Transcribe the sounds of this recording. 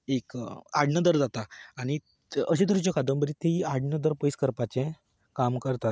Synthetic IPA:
ekaɽnəd̪əɾd͡zat̪aːɽ̃i | əɕ̬et̪əɾit͡ɕjɔkad̪əmbəɾit̪eiaɽɳəd̪əɾpəjskəɾpat͡ɕẽ | kamkəɾt̪at̪

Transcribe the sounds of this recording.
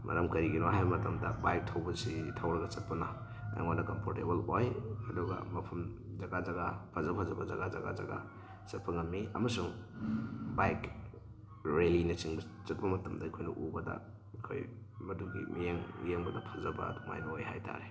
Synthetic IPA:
mɐ̰ɾɐmkɐɾiɡinoɦajbmɐtɐmdɐbajk̚tʰɐwbɐsitʰawɾɐɡɐt͡ʃɐt̚pɐnɐ | a̰ŋonɐkɐmpʰoɾtebɐlojɐduɡa̰mɐpʰɐmzaɡazaɡapʰazɐpʰazɐbɐza̰ɡaza̰ɡa̰za̰ɡa | t͡ʃɐt̚pɐŋɐmːiʔɐ̰mɐsuŋ | bajk | ɾelinɐt͡ʃiŋbɐt͡ʃɐt̚pɐmɐtɐmdɐikʰojnɐʔubɐdɐ̰ | kʰoj | mɐduɡḭmijeŋmijeŋbɐdɐpʰɐzɐbɐ̰duŋa̰jbɐojhajtʰa̰ɾe

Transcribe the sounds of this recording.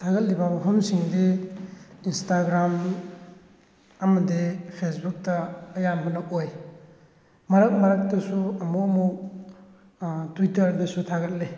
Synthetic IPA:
tʰaɡɐt̚libabupʰɐmsiŋdi | instaɡɾam | ɐmɐdipʰesbuk̚tɐːjamɦɔnɐk̚oj | mɐɾɐk̚mɐɾɐk̚tɐsuɐmuɐmuk | twitɐɾdisutʰaɡɐt̚li

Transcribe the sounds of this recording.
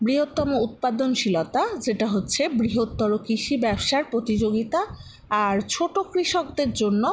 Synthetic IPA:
bɾiɦot̪ːɔmout̪̚pad̪onʃilot̪ad͡ʑeʈaɦotːɕʰebɾiɦot̪ːɔɾokiʃibɛbʃaɾpɾot̪id͡ʑoɡit̪aː | ɾt͡ɕʰoʈokɾiʃokd̪eɾd͡ʑonːo

